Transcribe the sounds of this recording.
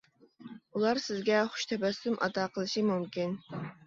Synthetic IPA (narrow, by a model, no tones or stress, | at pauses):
ulˠɑɾsɪzɡʲɛχʊ̥ʃt̪ʰɛbɛsɪmʔɑ̰d̪ɑːqʰəlˠɨʃimumkʲin